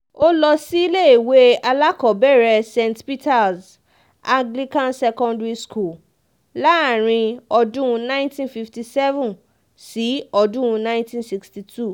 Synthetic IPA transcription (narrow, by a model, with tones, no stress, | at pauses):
o˦lɔ˧si˦i˦le˦i˨we˦a˧la˦kɔ˨bɛ˦˨ɾɛ˧sẽ˧ntpi˦ta˨s | ã˧ɡli˦kã˧nsɛ˧kɔ̃˧ndɹi˧skʰu˦˨l | la˦a˨ɾ̃ĩ˧ɔ˧dũ˦˧nã˦ntĩ˦nfi˧fti˧sɛ˦vũ˦n | si˨˦ɔ˧dũ˦˧nã˦j̃ntĩ˦nsi˧ksti˧tʰu˦˨